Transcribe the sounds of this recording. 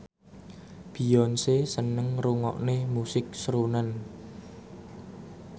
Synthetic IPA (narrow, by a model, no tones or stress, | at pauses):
b̥i̤jɔnsesənəŋruŋɔ̰ʔnemusɪk̚sɾunan